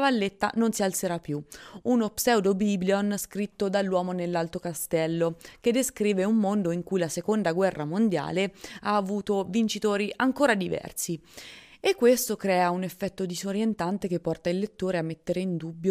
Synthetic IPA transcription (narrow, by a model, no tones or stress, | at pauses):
valːet̪ːa̰nonsialt̪seɾapːjuunopsɛwd̪obiblionskɾit̪ːod̪alːwɔːmonelːalt̪okast̪ɛlːoked̪ːeskɾiːveumːond̪oiŋkujlasekond̪aɡwɛrːamond̪ja̰ːleaːvuːt̪ovint͡ʃit̪oːɾiʔaŋkoːɾad̪ivɛ̰rsi | ekːwest̪okɾɛːaunefːɛt̪ːod̪izoɾjent̪ant̪ekepːɔrt̪ailːet̪ːoːɾeamːet̪ːeɾeind̪ubːjo